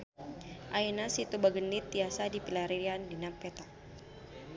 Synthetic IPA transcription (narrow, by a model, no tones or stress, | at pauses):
ʔainasit̪ubaɡəndit̪ːiasadipilaɾiliandinapɛt̪a